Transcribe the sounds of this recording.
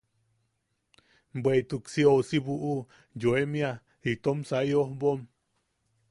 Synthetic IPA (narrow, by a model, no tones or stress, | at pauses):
bweit̪uksiosibuʔu | joemia | hit̪omsaiohbom